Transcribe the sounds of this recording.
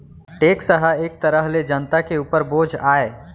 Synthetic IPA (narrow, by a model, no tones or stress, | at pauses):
ʈeːksəɦəeːk̚t̪ɐɾəɦled͡ʒənt̪akeuːpəɾboːd͡ʒʱaːeː